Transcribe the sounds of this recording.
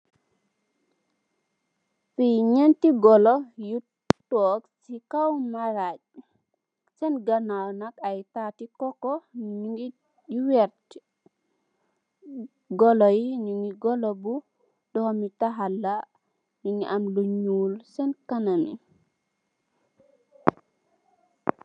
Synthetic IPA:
fiɲentiɡɔlɔju | tɔksikawmaɾac̚ | sɛnɡanawnakajtatikɔkɔɲuŋi | juwɛɾt | ɡɔlɔjiɲuŋɡiɡɔlɔbu | dɔhɔmitaɦalːa | nuŋiʔamluɲuːlsɛnkananḭ

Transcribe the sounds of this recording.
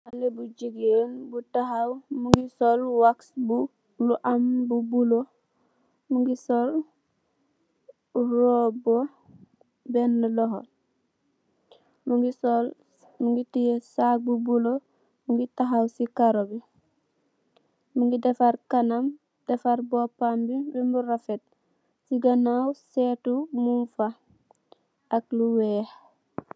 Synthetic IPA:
alebuɟiɡonbutaɦawmuŋɡisolwaksbu | luʔambubulo | muŋɡisol | uɾobo | benːaloɦol | muŋɡisol | muŋɡitijesabubulo | muŋɡitaɦawsikaɾobi | muŋɡidefaɾkanam | defaɾbopambibimbuɾafet̚ | siɡanawsetumunfa | akluweːh

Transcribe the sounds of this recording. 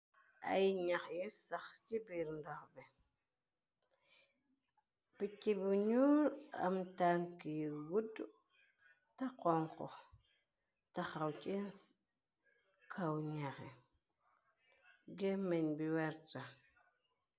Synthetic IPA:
a̰jɲakjisaxt͡ʃibiɾndokbi | pikːibuɲuɾa̰mtaŋkijwudu | takoŋko̰ | taxawt͡ʃe | kʰawɲakḛ | ɡemenbiwaɾt͡ʃa

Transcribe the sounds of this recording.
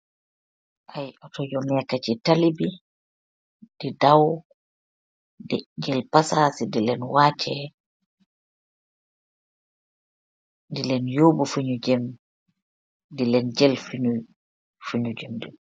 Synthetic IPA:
ʔajʔɔtɔjɔnɛkat͡ʃitalibi | d̥ɛdaw | dɛd͡ʒɛlpasasidilɛnwaːt͡ʃʰɛ | dilɛnjoːbufuɲud͡ʒɛm | dilɛnd͡ʒɛlfiu | fuɲud͡ʒɛmdɛ

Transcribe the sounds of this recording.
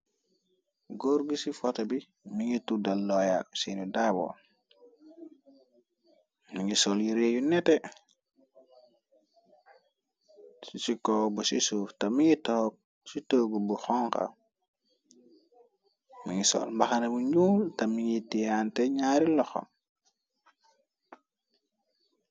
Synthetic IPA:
ɡoɾɡisifɔtɐbi | miŋitudɐlːɔjasinudabɔ̰ | miŋisɔljiɾeːjunɛtɛ | sit͡ʃikɔːbusisuːftɐmiŋitɔk̚ | sitoːɡubuxɔŋkɐ̰ | miŋisɔ̰lmbɐxɐnɛbuɲuːltɐmiŋitijantɛɲaːɾilɔxɔ̰m

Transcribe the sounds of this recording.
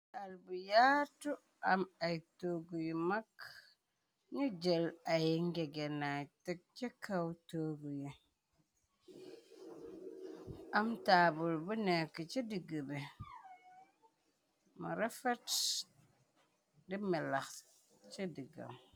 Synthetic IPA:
albujatu | amajtoɡujimak | ɲud͡ʒelajiŋɡeɡenajtek̚t͡ʃekawtoːɡuji | amtabulbunekːit͡ʃidiɡəbe | muɾefet | dimɛlax | t͡ʃidiɡa̰m

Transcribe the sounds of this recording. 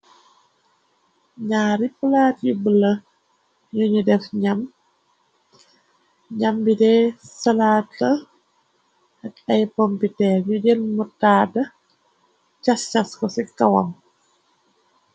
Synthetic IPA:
ɲaːɾipulaːtjubələ | ɲuɲudɛfɲam | ɲambidɛsalaːtːɐ | ʔɐkɐjpɔmpitɛɲuɟɛlmutaːdɐ | t͡ʃast͡ʃaskɔsikawa̰m

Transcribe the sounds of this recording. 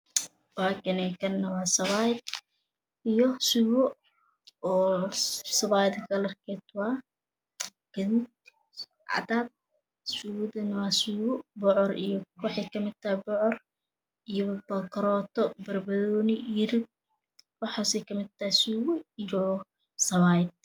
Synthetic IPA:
waːkɛnɛkʰɐnːɐwaːsɐβajd̪ | ijɔsuwɔ | ɔː | sɐβaːjd̪kɐlɐrkʰɛt̪wɑː | ɡ̥ɐðuːd̪ | ʕɑ̰d̪aːd̚ | suwd̪ɐnɐwasuːwɔbɔʕɔrḭjɔwɑħɑjkʰɐmɪd̪̚t̪ʰɐhɪbɔʕɔr | ijɔbɐkɾɔːt̪ʰɔbɐrbɐðɔːnɪɪɾɪb̚ | wɑħaːsɛjkʰɐmɪd̪̚t̪ʰɐhɪsuːwʊijɔ | sɐβajd̪̚

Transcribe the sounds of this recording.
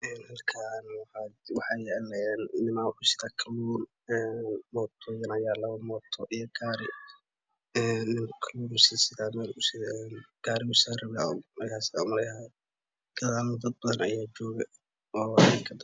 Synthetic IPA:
ɛːnhɐlkʰanwɑħɑwɑħɑjlɛːnɪnɪmaːwħʊsɪðaːkʰɐluːr | ɛːnmɔːt̪ʰɔjɐnɐjaːlɐβɐmɔːt̪ʰɔʔijɔɡaːɾɪ | ɛːnːɪmkʰɐluːɾsɪsɪðaːmɛːlʊsɪɛnɡ̥aːɾɪʊsarɐβɪa̰mɐrkʰaːsɪaʊmɐɾɛa | ɡ̥ɐðaːlɔd̪ɐd̪̚bɐðɐnɐjaːt͡ʃɔːɣɐ | ɔːɛkʰɐd̪ɐ

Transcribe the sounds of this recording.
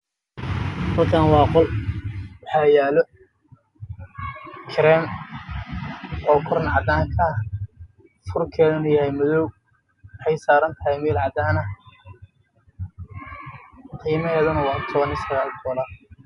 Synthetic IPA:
hɐlkʰaːnwɑːqɔl | wħaːjaːlɔ | kʰɪɾɛːm | ɔːkʰʊɾɐnʕɑd̪aːŋkʰɐ | fʊrkʰɛːðɪnʊjɐhɛjmɐðɔw | ħɛjsaːɾɐnt̪ʰɐɦɛjmiːlʕɑd̪aːnɐ | qiːmɐɦɛːðʊnɐwɑːt̪ʰɔβɐnɪsɐɣaːlt̪ʰɔːlɐ

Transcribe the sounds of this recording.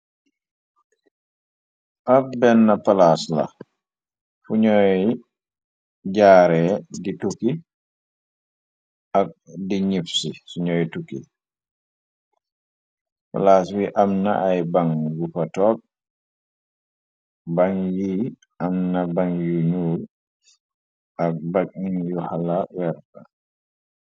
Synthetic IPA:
ʔak̚bɛnːɐpalaːslɐ̰ | fuɲɔj | ɟaːɾɛdituki | ʔɐk̚diɲifsisuɲɔːjtukḭ | fɔ̰laswiʔamna̰ʔajbaŋɡufatɔːk̚ | baŋji | ʔamnabaŋjuɲuɾ | ʔakbakinjɔhalawɛɾta

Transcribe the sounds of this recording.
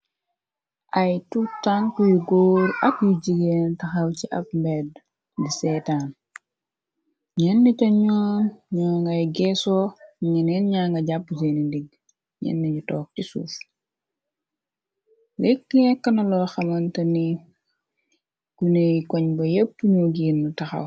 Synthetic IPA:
ʔɐjtutaŋkujuɡoːɾɐkjuɟiɡentɐxɐwciʔɐ̰pmbɛd | disɛtan | ɲɛnːicɐɲɔːnɲɔːŋɡɐjɡɛsɔːɲinɛnɲaːŋɡɐɟapːud͡ʒenindiɡ | ɲɛ̰nːiɟutɔːk̚tisṵːf | lekːŋɛkːɐnɐlɔxɐmɐntɐni | ɡ̥unejkɔɲbɐjep̚tuɲuɡiːnːutɐxɐ̰w

